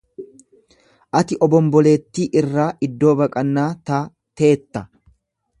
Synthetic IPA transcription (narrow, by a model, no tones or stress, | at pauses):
ʔɐt̪ɪʔɔbɔmbɔle̞ːt̪ːiːʔɪrːaːʔɪd̪ːo̞ːbɐkʼɐnːaːt̪aː | t̪e̞ːt̪ːɐ